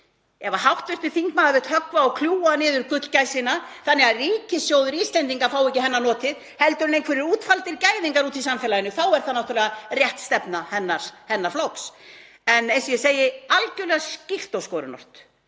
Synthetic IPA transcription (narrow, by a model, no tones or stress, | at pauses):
ɛvaɦawht̪vɪst̪ɪ̥θiŋkmaːðavɪt̪hœkvaɔkʰljuːanɪːðʏɾkʏt̪lcajsinaθanːɛɣariːcɪsjoːwðʏɾiːst̪lɛnt̪iŋkafawɛhcɪhɛnːanɔːt̪ɪð | hɛlt̪ʏɾʏnẽjŋkʰvɛɾɪɾuːt̪falt̪ɪɾcaːjðiŋkaɾuːt̪ʰis̬amfɛlajɪnʏθawɛɾ̥θaðnawht̪ʏɾlɛɣarjɛht̪st̪ɛpnahɛnːaɾ̥hɛnːaɾflowks | ɛnɛsiɛseːjɪalcʏlɛɣascir̥t̪owskɔːɾʏ̰nɔ̰r̥t̪